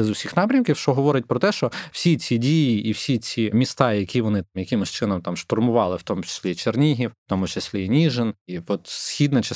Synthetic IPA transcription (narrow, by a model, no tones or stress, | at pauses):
ɛzʊwsʲixnɑpɾʲɐmkʲiwʃt͡ʃɔɦɔʋɔɾɪt̚ʲpɾɔt̪ɛʃt͡ʃɔw̥sʲit͡sʲidʲijiːwsʲit͡sʲimʲist̪ɑjɐkʲʰiʋɔnɪmjɐkʲɪmɔsʲt͡ʃɪnɔmt̪ɑmʃt̪ɔrmʊʋɑlˠɪwt̪ɔmʊt͡ʃe̥sʲlʲit͡ʃernʲiɦʲiwwt̪ɔmʊt͡ʃesʲlʲinʲiʒeniʋɔt̪sxʲid̪nɐt͡ʃɛ